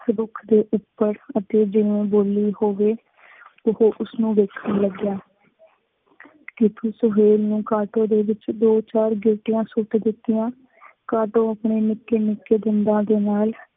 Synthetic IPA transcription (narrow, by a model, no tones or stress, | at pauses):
ɾʊkʰd̪eːʔʊpːəɾət̪eːd͡ʒɪʋẽːboːliːhoːʋeː | ʊhoːʔʊsnũːʋeːkʰənləɡjaː | kɪt̪ʰuːsʊɦeːlnũːkaːʈõːd̪eːʋɪt͡ʃd̪oːt͡ʃaːɾɡɪlʈɪjãːsʊʈd̪ɪt̪ːɪjãː | kaːʈõːapɳeːnɪkːeːnɪkːeːd̪ɪnd̪ãːd̪eːnaːl